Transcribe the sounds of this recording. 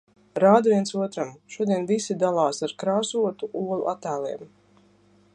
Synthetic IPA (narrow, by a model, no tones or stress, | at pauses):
ɾaːd̪aviɛnsuɔt̪ɾamʃuɔd̪iɛnvisid̪alˠaːsaɾkɾaːsuɔt̪uʔuɔlˠṵʔat̪æːlˠiɛm